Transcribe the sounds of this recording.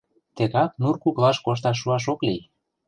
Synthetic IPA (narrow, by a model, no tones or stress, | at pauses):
t̪eɣɑk̚nurkuklɑʃkoʃ̬t̪ɑʃ̬ːuɑʃ̬oklij